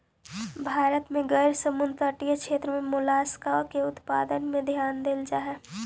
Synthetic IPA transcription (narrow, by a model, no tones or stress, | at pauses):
bʱaːɾət̪mẽɡəjɾsəmʊnt̪əʈijəkʃeːt̪ɾəmẽmʊlaːskaokeʊt̪pa̰ːd̪ənmẽd̪ʱjaːnd̪ɪld͡ʒaːɦɛ